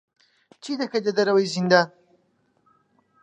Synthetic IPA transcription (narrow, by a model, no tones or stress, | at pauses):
t͡ʃid̪ɐkɐjd̪ɐd̪ɐɾɐwɐjzind̪aːn